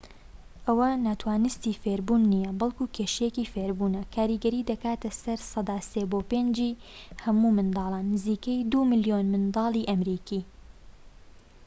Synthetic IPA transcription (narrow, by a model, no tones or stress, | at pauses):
ʔɐwɐnaːt̪waːnɨst̪iːfeɾbunːijɐbɐlˠkuːkʰeːʃjekiːfeɾbuːnɐkʰaːɾiɡɐɾiːd̪ɐkaːt̪ɐsɐɾsɑd̪ɑːseboːpeːnd͡ʒiːhɐmuːmɨnd̪ɑːlˠanːɨziːkɐjd̪uːmɨljonmɨnd̪ɑːlˠiːʔɐmɾiːkiː